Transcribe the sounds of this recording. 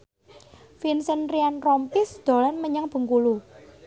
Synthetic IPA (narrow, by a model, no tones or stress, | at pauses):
finsənrianrɔmpɪsd̪̥o̤lanməɲəŋb̥ə̤ŋkulu